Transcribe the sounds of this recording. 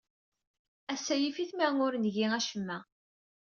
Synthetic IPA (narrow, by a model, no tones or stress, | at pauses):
æsːæjifiθmænʊɾnʝiæʃəmːæ